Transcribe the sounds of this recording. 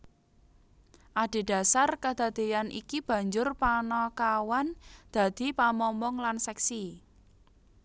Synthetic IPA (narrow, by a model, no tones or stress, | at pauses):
ʔaɖ̥e̤ɖ̥a̤sarkad̪̥a̤d̪̥e̤janʔḭkib̥ä̤ɲd͡ʒʊrpanɔkawand̪̥ä̤d̪̥i̤pamɔmbɔŋlansɛksi